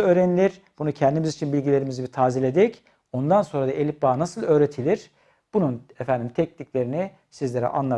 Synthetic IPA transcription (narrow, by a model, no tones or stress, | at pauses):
øːɾenilʲiɾ̥ | b̥unucʰɛnd̪imizit͡ʃʰinbilʲɟilʲe̞ɾimizibit̪ʰaːzilʲe̞d̪ɛc | o̞nd̪anso̞nɾad̪aʔelʲip̚baːnasɯlˠø̞ːɾe̞t̪ʰilʲiɾ̥ | b̥ununɛfænd̪imt̪ʰɛc̚niclʲe̞ɾini | sizlʲe̞ɾɛ̰ʔa̰nlˠa